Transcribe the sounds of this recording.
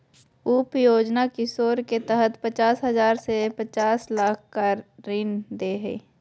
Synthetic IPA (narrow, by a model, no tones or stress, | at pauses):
upjoːd͡ʒnakisoːɾket̪ɛɦət̪pət͡ʃaːsɦɐzaːɾsepət͡ʃaːslaːk̚ʰkaɾːɪnd̪eɦɛ̰ː